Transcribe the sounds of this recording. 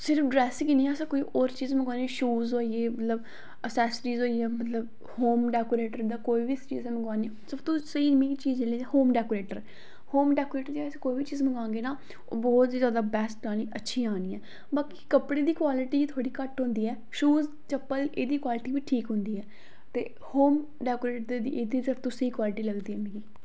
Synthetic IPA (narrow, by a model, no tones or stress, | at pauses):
sɪɾəfɖɾɛːskinĩːɛsãːkoiːʔoːɾt͡ʃiːzməɡaːneːʃuːzoːieːmət̪ləb | əsɛːsɾiːzoːieːmət̪ləb | hoːmɖɛːkoːɾeːʈəɾd̪aːkoːiːʋiːt͡ʃḭːzɛ̃ːməɡaːniːsəbt̪õːsəiːmĩːt͡ʃiːzd͡ʒeːleːɛhoːmɖɛːkoːɾeːʈəɾ | hoːmɖɛːkoːɾeːʈəɾd͡ʒaːəsãːkoːiːbiːt͡ʃiːzməɡãːŋɡeːnaː | o̰ːbɔːt̪zjaːd̪aːbɛːsʈ̚aːniːʔətːʃʰiːaːniːɛː | baːki̥ːkəpɽeːd̪iːkwaːlɪʈiːit̪ʰaːɽiːkəʈɦʊ̃nd̪iːɛː | ʃuːz | t͡ʃəpːəleːd̪iːkwaːlɪʈiːʋiːʈʰiːkɦʊ̃nd̪iːɛː | t̪ḛː | hoːm | ɖɛːkoːɾeːʈəd̪eːd̪ḭːʔeːd̪iːsɪɾpʰt̪ʊ̃səiːkwaːlɪʈiːləɡd̪iːɦɛːmẽːɡiː